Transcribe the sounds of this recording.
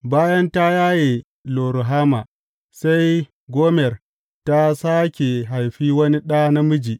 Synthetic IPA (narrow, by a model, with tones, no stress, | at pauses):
baː˦jɐ˦nta˦jaː˦je˨ | loː˨ɾu˨ɦaː˦ma̰˨ | sa˦j | ɡʷoː˦mɛ˨r | ta˦saː˦kʲe˨ɦa˨jɸiː˦wɐ˦ni˦ɗa˦na˦mʊ˦d͡ʒiː˨